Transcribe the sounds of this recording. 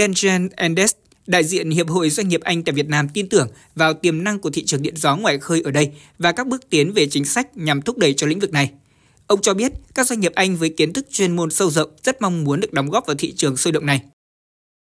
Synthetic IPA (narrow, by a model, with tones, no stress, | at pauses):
ɛ˧nzɛ˧nʔɛ˧nɗɛ˦˥s | ɗa̰ː˧˨jzḭ˧˨ənhi˨əp̚ho̰˧˨jzwa˧jŋ̟ŋi˨˩əp̚ʔa˧jŋ̟t̪a̰ː˧˨jvi˨˩ət̚naː˧mt̪i˧nt̪ɨ˧˩əŋ | vaː˨˩wt̪i˨˩əmna˧ŋku˧˩ət̪ʰḭ˧˨t͡ɕɨ˨˩əŋɗḭ˧˨ənzɔ˨˦ŋwa̰ː˧˨jxəː˧jʔəː˧˩ɗə˧j | vaː˨˩kaː˦˥k̚ɓɨ˦˥ək̚t̪i˨˦ənve˨˩t͡ɕï˨˦ŋ̟sa˦˥jk̟̚ɲa˨˩mt̪ʰʊ˦˥k͡p̚ɗə˧˩jt͡ɕɔ˧lḭ̈˧˥ŋ̟vɨ˨˩k̚na˨˩j | ʔə˧wŋ͡mt͡ɕɔ˧ɓi˦˥ət̚kaː˦˥k̚zwa˧ŋ̟ŋi˨˩əp̚ʔa˧jŋ̟vəː˨˦jki˨˦ənt̪ʰɨ˦˥k̚t͡ɕwe˧nmo˧nsə˧wzə̰˧˨wŋ͡mz̥ə˦˥t̚ma˧wŋ͡mmu˨˦ənɗɨ˨˩ək̚ɗɔ˨˦ŋ͡mɣɔː˦˥p̚vaː˨˩wt̪ʰḭ˧˨t͡ɕɨ˨˩əŋso˧jɗə̰˧˨wŋ͡mna˨˩j